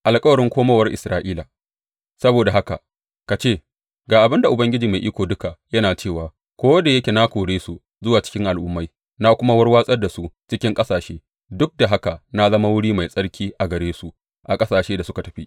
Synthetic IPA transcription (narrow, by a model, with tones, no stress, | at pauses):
ʔa˨lkʼɐ˦wɐ˨ɾɪ˦ŋkʷoː˦ma˦wɐ˦rʔɪ˨sɾaː˦ʔiː˦la˨ | sɐ˦boː˨da˨ɦa˦ka̰˨ | ka˨t͡ʃeː˦˨ | ɡaː˨ʔa˨bɪ˦nda˨ʔʊ˨bɐ˦ŋɡʲɪ˦d͡ʒiː˨ma˨ʔi˦kʷoː˨dʊ˦ka˨jɐ˦naː˨t͡ʃeː˦˨waː˨ | kʷoː˦wɐ˦da˨jɐ˦kʲe˨na˦kʷoː˨ɽeː˦su˨ | zʊ˦waː˨t͡ʃɪ̥˦kʲɪ˦ŋʔa˨lʔʊ˦mːa˦j | na˦kʷʊ˦ma˦wɐ˦rwaː˦sʼɐ˦rda˨su˦t͡ʃɪ˦kʲɪ˦ŋkʼɐ˦saː˨ʃeː˦ | dʊ˦k̚da˨ɦa˦ka˨na˦zɐ˦ma˦wʊ˦ɽiː˦ma˨jsʼɐ˦ɽkʲʰiː˦ʔa˨ɡɐ˨ɽeː˦su˨ | ʔa˨kʼɐ˦saː˨ʃeː˦da˨sʊ˦ka˨tɐ˨ɸi˦